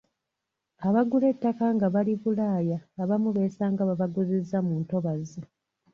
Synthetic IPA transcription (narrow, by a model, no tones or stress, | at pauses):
aβaɡule̞tːakaŋɡaβaliβulaːjaːβamuβe̞saːŋɡaβaβaɡuzizːamuːnto̞βazi